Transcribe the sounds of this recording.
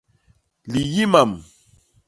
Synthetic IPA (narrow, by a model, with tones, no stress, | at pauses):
li˨ji˦ma˨m